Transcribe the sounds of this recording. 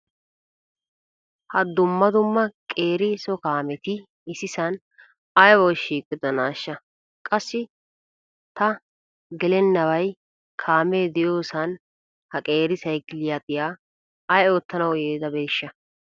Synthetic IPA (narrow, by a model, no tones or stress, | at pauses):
hɐd̪ʊmːɐd̪ʊmːɐkʼe̞ːɾɪsɔkaːmɛt̪ɪ | ɪsɪsɐn | ɐjwɔjʃiːkʼːɪd̪ɔnaːʃːɐ | kʼɐsːɪ | t̪ɐ | ɡɛlɛnːɐwɐj | kʰaːmeːd̪ɪjo̞ːsɐn | hɐkʼe̞ːɾɪsɐjkɪlɪjat̪ʼɪjaː | ɐjoːt̪ːɐnɐwjeːd̪ɐbeːʃːɐ